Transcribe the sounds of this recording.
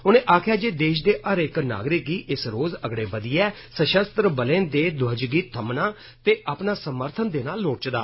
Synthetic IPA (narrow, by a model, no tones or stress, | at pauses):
ʊnẽːʔaːkʰjaːd͡ʒeːd̪eːʃd̪eːʔəɾɪkna̰ːɡɾɪkiːʔɪsɾoːzəɡɽeːbəd̪iːɛː | səʃəst̪ɾəbəlẽːnd̪eːd̪ʊəd͡ʒɡiːt̪ʰəmnaː | t̪eːʔaːpnaːsəməɾt̪ʰənd̪eːnaːlːoːt͡ʃd̪aː